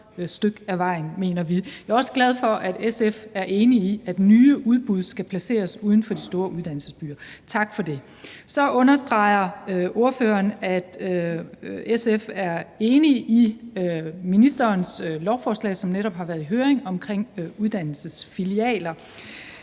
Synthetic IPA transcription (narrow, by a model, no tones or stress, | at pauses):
sd̥øɡ̥æʋɑ̈ɪ̰n̩me̝̰ːnɐʋijɑ̈ːɒ̽səɡ̥læð̞ˠfɒ̽ʔæd̥esefæɐʔe̝ːniiæd̥nyːʔuð̞ˠb̥uð̞ˠsɡ̥æpʰlæse̝̰ːɐsuð̞ˠn̩fɒ̽d̥isd̥o̝ːɐʔuð̞ˠd̥æn̰l̩səsb̥y̰ːɐt͡sʰɑ̈ɡ̥fɒ̽d̥e̝ | sɒ̽ʔɔ̽nɐsd̥ʁɑ̈ɪ̰ɐʔo̝ɐføːɐnæd̥ | esefæɐe̝ːniʔi | minisd̥ɐːnslɒʊfɒːslɛ̰ɪsɒ̽mneɾɒ̽b̥hɑ̈ʋæɐðˠiɦøːɐeŋɒ̽mkʰʁeŋ̰uð̞ˠd̥æn̰l̩səsfiliɛ̰ːlɐ